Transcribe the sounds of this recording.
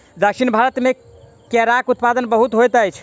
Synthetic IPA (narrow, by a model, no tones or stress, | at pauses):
d̪əksʰinbʱaɾət̪me | kɛɾakut̪pad̪ənbəɦut̪ɦojt̪əjt͡ʃʰ